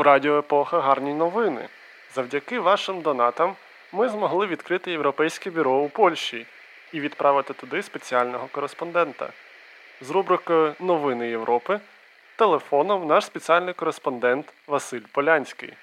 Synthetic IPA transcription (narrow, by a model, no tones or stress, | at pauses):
uɾɑdʲɪɔepɔxɐɦɑrnʲijnɔʋɪnɪ̰ | zɐwdʲɐkɪʋɑʃɪmd̪ɔnɑt̪ɐmː | ɪzmɔɦlˠɪʋʲid̪kɾɪt̪ɪjewɾɔpɛjsʲkɛbʲʊɾɔupɔlʲʃʲi | iʋʲid̪pɾʔɑʋɪt̪ɪt̪ʊd̪ɪspet͡sʲiɑlʲnɔɦɔkɔɾespɔnd̪ɛnt̪ɐ̰ | zɾubɾɪkɔjʊnɔʋɪnɪjewɾʔɔpɪ | t̪elˠefɔnɔmnɑʃspet͡sʲialʲnɪjkɔɾespɔnd̪ɛnt̪ʋɐsɪlʲpɔlʲanʲsʲkɪ̰j